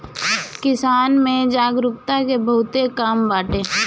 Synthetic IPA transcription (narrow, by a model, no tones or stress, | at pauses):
kɪsaːnmẽd͡ʒaːɡɾʊkt̪akebəʊt̪ekaːmbaːʈeː